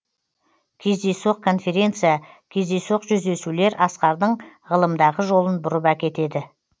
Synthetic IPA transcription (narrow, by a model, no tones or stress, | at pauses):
kʲʰe̞zd̪e̞soq̚kʰo̞nfe̞ɾʲe̞nt̪sɨjakʲʰe̞zd̪e̞jsoqʒʏzd̪e̞sule̞ɾʔɑsqɑɾd̪əɴʁəlˠəmd̪ɑʁəʒo̞lˠənbʊɾəpækʲe̞t̪e̞d̪ɪ